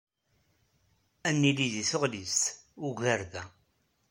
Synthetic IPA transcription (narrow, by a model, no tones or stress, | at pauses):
ænːiliðiθoʁlisʊʝaɾðæ